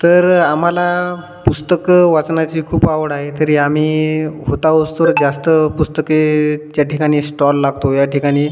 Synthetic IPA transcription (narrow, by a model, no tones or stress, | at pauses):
t̪əɾam̤ala | pust̪əkʋat͡snat͡ɕiːkʰuːpaʋəɽaɦet̪əɾiːam̤iːɦot̪aʋəst̪oɾd͡zast̪əpust̪əketjaʈʰikaɽ̃iːsʈɔlːaɡ̚t̪ojaʈʰikaɽ̃iː